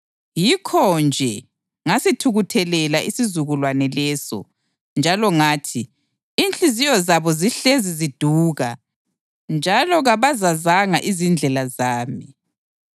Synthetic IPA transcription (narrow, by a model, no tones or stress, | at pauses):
jikʰɔnd͡ʒʱɛ | ŋasitʰuɣutʰɛlɛlaʔisizuɣulwanɛlɛːsɔ̰ | nd͡ʒʱalɔŋaːtʰi | int͡ɬʼizijɔzaβɔziɬezizid̥ʱuːɣa | nd͡ʒʱalɔɣaβazazaŋaʔizind͡ɮʱɛlazaːmi